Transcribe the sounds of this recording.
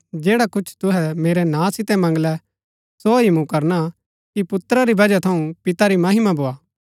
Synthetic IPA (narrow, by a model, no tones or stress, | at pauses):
d͡ʒeːɽakʊt͡ʃʰt̪ʊɦɛmeːɾɛnãːsɪt̪ɛmɐ̃ŋɡlɛ | soɦimũkɐɾna | kipʊt̪ɾaɾibɐd͡ʒat̪ʰɐũpɪt̪aɾimɐɦɪmaboːaː